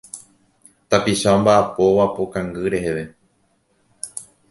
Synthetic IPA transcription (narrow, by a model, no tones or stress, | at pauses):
t̪apiʃambaʔːpo̞ʋapokãŋɡɨɾe̞he̞ʋe̞